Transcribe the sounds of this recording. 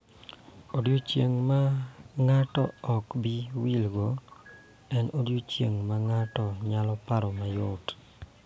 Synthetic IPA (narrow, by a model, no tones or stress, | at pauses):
odjot͡ʃḛŋmaŋatɔɔkbiwilɡo | ɛnodjot͡ʃeŋmaŋatɔɲalɔpaɾɔmajot